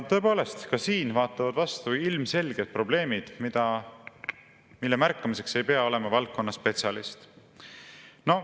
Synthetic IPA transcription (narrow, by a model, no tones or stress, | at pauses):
t̪ːø̞po̞ːle̞st̪kɑsiːnvɑːt̪ːˑɑvɑd̪̥vɑst̪uilmse̞lʲɡ̥ed̪̥̚pro̞b̥le̞ːmid̪̥mid̪̥ɑ | milːemærkːˑɑmise̞kse̞jpe̞ɑo̞le̞mɑvɑlk̚ko̞nːɑspe̞t̪sʲɑlist̪ | no̞